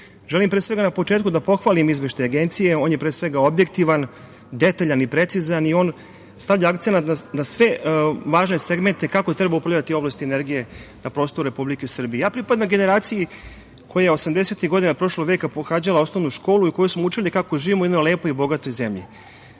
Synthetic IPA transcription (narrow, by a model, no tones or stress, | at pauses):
ʒelimpɾesʋe̞ɡanapo̞t͡ʃeːt̪̚kud̪apo̞xʋaːlimizʋeʃt̪ajaɡent̪sije̞o̞ːnjepɾeːsʋe̞ɡaobje̞k̚t̪iʋan | d̪et̪aʎanipɾe̞t̪sizanio̞ːn | st̪avʎaakt̪senat̪nanasʋe̞ʋaːʒne̞seɡment̪ekakot̪ɾebaupɾavʎʲat̪io̞blast̪ieneɾɡije | napɾo̞ːst̪oɾuɾepublikesr̩bijejaːpɾipad̪lamɡeneɾaːt̪siji | kʰo̞jajeo̞samd̪ese̞t̪iɣɡo̞d̪inapɾo̞ʃlo̞ɡʋeːkapoxaːd͡ʑalˠaosnovnuʃko̞ːluiko̞jusmout͡ʃilikakoʒiːʋimojed̪nojle̞ːpoibo̞ɡat̪ojzemʎḭ